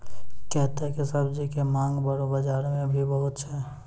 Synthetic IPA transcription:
kɛɦt̪eɦkisɐbd͡ʒikemãːŋɡbɐɾobɐd͡ʒaːɾmẽbʱibɐɦʊt̪t͡ʃʰɛː

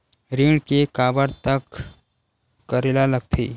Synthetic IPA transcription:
ɾiːɳkekaːbəɾt̪ək | əɾelaləɡ̚t̪ʰḭː

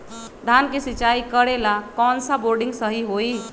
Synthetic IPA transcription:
d̪ʱankesit͡ʃaikəɾelakɔnsaboɾɖĩŋɡsəɦiɦoi

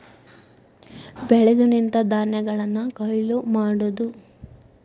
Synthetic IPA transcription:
bɛɭed̪unint̪ɐd̪aːnjɐɡɐɭɐnːukɐjlumaːɽud̪u

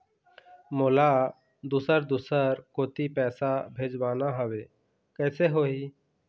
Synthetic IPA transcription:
moːla | d̪uːsəɾd̪uːsəɾkoːt̪ipɛːsabʱeːd͡ʒbaːnaɦəweː | kɛːseɦoːi

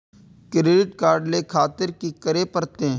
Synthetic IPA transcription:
kɾeːɖɪʈkaːɾɖleːkʰaːt̪ɪɾkikəɾeːpəɾt̪ẽː

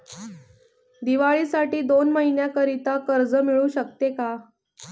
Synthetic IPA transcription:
d̪iʋaɭiːsaʈiːd̪onməɦinjakəɾit̪akəɾd͡zəmiɭuɕək̚t̪eka

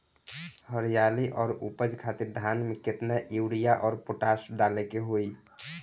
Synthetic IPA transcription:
həɾijaliʔɔːɾupəd͡ʒkʰat̪iɾd̪ʱanmeket̪naʔiuɽijaʔɔːɾpoʈasɖalɛkeɦoj

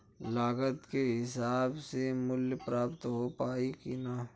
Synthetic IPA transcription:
laːɡət̪keɦɪsaːbsemʊljpɾaːpt̪ɦopaːikina

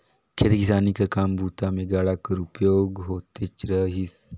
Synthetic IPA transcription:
kʰet̪ekisanikəɾkambʱut̪ameɡaɽakəɾupjoɡɦot̪et͡ɕɾəɦis

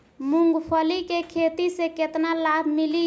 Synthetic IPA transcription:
muŋɡpʰəlikekʰet̪isẽket̪nalabʱmili

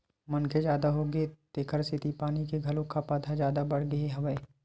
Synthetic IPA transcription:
mɐnked͡ʒjaːd̪aɦoɡet̪eːkʰəɾsɪt̪ipaːnikeɡʱɐlõkʰapaːt̪ʰazjaːd̪abɐɽ̤ɡɐeɦɐʋəe

